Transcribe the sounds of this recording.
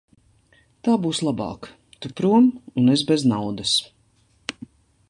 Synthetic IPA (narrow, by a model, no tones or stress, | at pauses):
t̪aːbuːslˠabɑ̰ːk | t̪upɾuɔmunɛzbɛznawd̪ɐs